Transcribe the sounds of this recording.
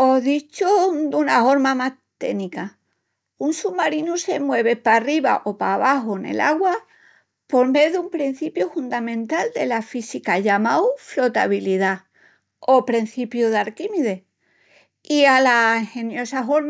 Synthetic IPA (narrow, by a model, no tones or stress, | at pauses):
o̞ðit͡ʃod̪unao̞ɾmamat̪e̞nika | unsumːaɾinuse̞mwe̞β̞e̞pariβa̰ʔo̞paβaɦone̞̰la̰ɣwa | po̞ɾme̞ðumpɾin̟θipjufund̪amẽ̞nt̪ald̪e̞lafisikaʎamawflo̞t̪a̰βiliða | o̞pɾen̟θipjuðaɾkimiðe̞ | ialahe̞njo̞saɦoɾm